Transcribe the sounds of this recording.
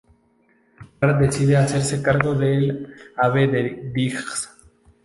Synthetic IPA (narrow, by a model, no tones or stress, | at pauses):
paɾd̪esiðeaseɾsekaɾɣoðelaβeðed̪ixs